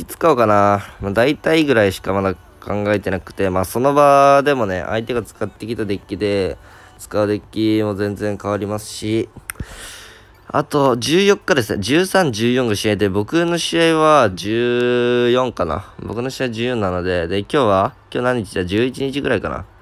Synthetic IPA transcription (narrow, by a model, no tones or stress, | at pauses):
it͡sɨ̥kaokanamaːd̪ait̪aiɡɯ̟ɾaiɕi̥kamad̪a | kʰãŋɡaet̪e̞nakɯ̟̥t̪e̞maːso̞no̞baːd̪e̞mo̞ne̞̰ʔa̰it̪e̞ɡat͡sɨ̥kat̪ːe̞kʲit̪ad̪e̞kʲːid̪e̞ | t͡sɨ̥kaɯ̟d̪e̞kʲːimo̞zẽ̞nd͡zẽ̞ŋkaβaɾʲimasɨ̥ɕi | a̰t̪o̞d͡ʑɨːjo̞kːad̪e̞sɨnḛd͡ʑɨːsãɲ̟d͡ʑɨːjõ̞ŋɡaɕiaid̪e̞bo̞kɯ̟no̞ɕiaiβad͡ʑɨːjõ̞ŋkana̰bo̞kɯ̟no̞ɕiaid͡ʑɨːjõ̞nːano̞d̪e̞d̪e̞kʲo̞ːβakʲo̞ːnãɲ̟ːit͡ɕidead͡ʑɨːit͡ɕiɲ̟it͡ɕiɡɯ̟ɾaikana̰